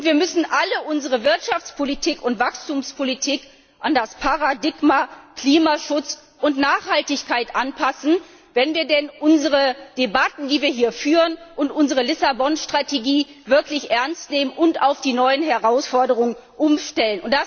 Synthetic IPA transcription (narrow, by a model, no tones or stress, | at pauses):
ʔʊntv̥iːɐmʏsn̩ʔaləʔʊnzəʁəvɪɐtʃaft͡spʰolitʰiːkʊntv̥akstuːmspʰolitʰiːk | ʔandaspʰaʁadɪɡmakl̥iːmaʃʊt͡s | ʔʊntnaːχhaltɪçkaɪtʔanpʰasn̩ | vɛnviːɐdɛnʔʊnzəʁ̞əd̥ebatn̩diːviːɐɦiːɐfyːʁənʔʊntʔʊnzəʁəlɪsabɔnʃtʁ̥ateɡiːvɪɐklɪçʔɛɐnstneːmənʔʊnta̰ʊfd̥iːnɔʏənɦɛʁaʊsfɔɐdəʁ̞ʊŋən | ʔʊmʃtɛlənʊntd̥a